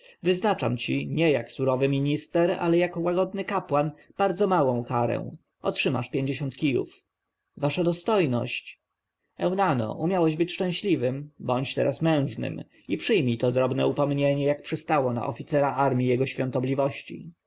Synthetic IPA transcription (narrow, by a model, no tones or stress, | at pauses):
vɘznat͡ʂa̰mt͡ɕiɲɛjaksuɾɔvɘmʲiɲist̪ɛɾa̰lɛjakɔwaɡɔd̪nɘkapwan | b̥aɾd̪zɔmawɔ̃w̃kaɾɛ̰̃w̃ | ʔɔ̰tʂɘma̰ʂpʲjeɲd͡ʑeɕɔ̃nt̪kʲijṵf | vaʂad̪ɔst̪ɔjnɔ̰ɕt͡ɕ | ɛwnanɔ̰ʔumʲjawɛʑbɘt͡ɕʂt͡ʂɛ̃w̃ɕlʲivɘmbɔɲt͡ɕt̪ɛ̰ɾʔasmɛ̃w̃ʐnɘ̰m | ipʂɘjmʲit̪ɔd̪ɾɔbnɛ̰upɔmɲeɲɛjak̚pʂɘst̪awɔna̰ʔɔfʲit̪sɛɾaʔaɾmʲijɛɡɔɕfʲjɔ̃nt̪ɔblʲivɔɕt͡ɕḭ